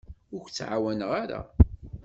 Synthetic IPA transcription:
ʊɾçt͡sːʕawænəʁaɾa̰

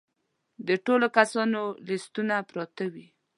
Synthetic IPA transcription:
d̪əʈolokasɑnolɪst̪unapɾɑt̪awi

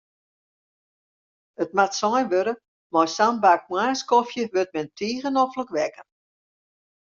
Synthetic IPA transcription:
ət̚matsɔjʋøɾə | mɔjsambak̚mwaːskɔfjəʋøt̚mɛntʰiːɣənɔfləkʋɛkən

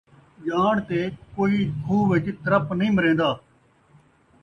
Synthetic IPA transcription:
jaːɽt̪eːkoːiːkʰuːʋɪt͡ʃt̪əɾəpnəɦĩːməɾẽːnd̪aː

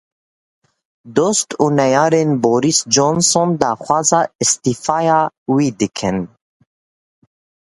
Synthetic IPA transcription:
d̪ost̪uːnɛjɑːɾenboːɾisd͡ʒonsond̪ɑːxʷwɑːzɑːɨst̪ifɑːjɑːwiːd̪ɨkʰɨn

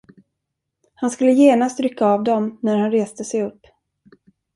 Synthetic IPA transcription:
hanskɵlːəjeːnast̪ɾʏkʰːaːvd̪ɔmnæɾhanɾeːst̪əsɛjɵpː

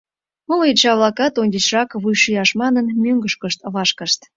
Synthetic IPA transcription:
molet͡ɕɑβlɑkɑt̪onʲdʲet͡ɕrɑkβujʃijɑʃmɑnənmʲøŋɡəʃkəʃt̪əβɑʃkəʃt̪

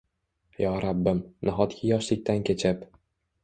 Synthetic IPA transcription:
jɒːɾabːɪmnaɦɒt̪kʲʰɪjɒʃlɪk̚ʲt̪ankʲet͡ʃʰɪp

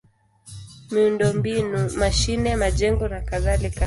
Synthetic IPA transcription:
miundɔmbinumaʃinɛmaʄɛŋɡɔnakaðalika

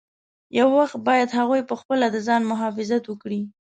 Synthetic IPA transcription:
jawːaxt̪̚bɑjad̪haɣujpəxpəlad̪əzɑnmʊɦɑfɪzat̪wəkɽi

